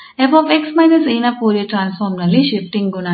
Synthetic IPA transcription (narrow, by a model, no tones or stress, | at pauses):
epoːpeksmɐjnɐsiːnapoːɾijɐʈɾaːnsfoːɾmnɐlːiʃifʈiŋɡɡuna